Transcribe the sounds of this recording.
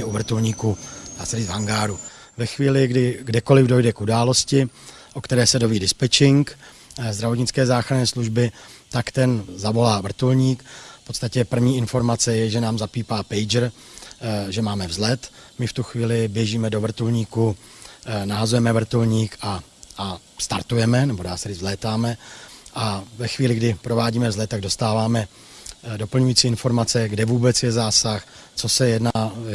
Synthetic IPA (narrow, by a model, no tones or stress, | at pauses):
ʔuvr̩t̪ulɲiːkunaːsɛdiːvɦaŋɡaːɾu | vɛxviːlɪɡdɪɡdɛko̞lɪvdo̞jdɛkʔudaːlo̞scɪ | ʔokt̪ɛɾɛːsɛdo̞viːdɪspɛt͡ʃɪŋk | zd̪ɾavoɲɪt͡skɛːzaːxɾanɛːsluʒbɪt̪akt̪ɛnzavo̞laːvr̩t̪ulɲiːkfpot̪st̪acɛpr̩vɲiːɪnfo̞ɾmat͡sɛjɛʒɛnaːmzapiːpaːpɛjd͡ʒr | ʒɛmaːmɛvzlɛt̪mɪft̪uxviːlɪbjɛʒiːmɛdo̞vr̩t̪ulɲiːku | naɦazujɛmɛvr̩t̪ulɲiːka | st̪a̰ɾt̪ujɛmɛnɛbodaːsɛɾɪvzlɛːt̪aːmɛʔavɛxviːlɪɡdɪpɾo̞vaːɟiːmɛvzlɛt̪ːaɡdo̞st̪aːvaːmɛ | do̞pl̩ɲujiːt͡siːɪnfoɾmat͡sɛɡdɛvuːbɛt͡sjɛzaːsax | t͡so̞sɛjɛdna